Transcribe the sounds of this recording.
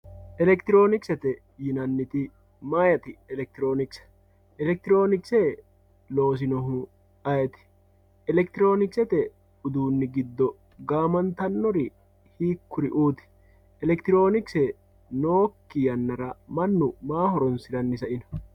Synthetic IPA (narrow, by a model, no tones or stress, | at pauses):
ʔɛlɛkt̪ɪɾo̞ːnɪksɛt̪ɛ | jɪnɐnːɪt̪ɪ | maːjɐt̪ɪɛlɛk̚t̪ɪɾo̞ːnɪksɐ̥ | ʔɛlɛk̚t̪ɪɾo̞ːnɪkseː | lo̞ːs̬ɪnɔɦʊ | ɐjɛt̪ɪ̥ | ɛlɛkt̪ɪɾo̞ːnɪksɛt̪ɛ | ʊd̪uːnːɪɡɪd̪ːɔ | ɡaːmɐnt̪ɐnːɔɾɪ | hiːkːʊɾɪʔuːt̪ɪ̥ | ɛlɛkt̪ɪɾo̞ːnɪksɛ | noːkːɪjɐnːɐɾɐmɐnːʊmaːhɔɾɔnsɪɾɐnːɪsɐʔɪnɐ̥